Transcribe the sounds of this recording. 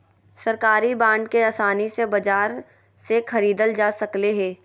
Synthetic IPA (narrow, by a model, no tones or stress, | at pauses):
sɐɾkaːɾibãːɳɖkeaːsaːnisebɐd͡ʒaːɾ | sexʰɐɾiːd̪əld͡ʒaːsɐkleɦɛː